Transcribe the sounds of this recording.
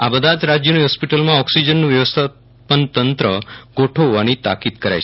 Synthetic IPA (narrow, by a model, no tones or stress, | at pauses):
abəd̪ʱad͡ʒɾad͡ʒjəniɦɔspiʈəlmãɔksid͡ʒənːũʋjəʋəst̪ʰa | pənt̪ənt̪ɾəɡ̥oʈʰoʋanit̪a̰kid̪kəɾa̰jt͡ʃʰe